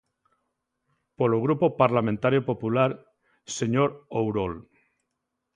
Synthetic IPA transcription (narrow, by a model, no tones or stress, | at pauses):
poloɣɾupopaɾlamẽnt̪aɾjopo̞pulaɾ | se̞ɲoɾowɾol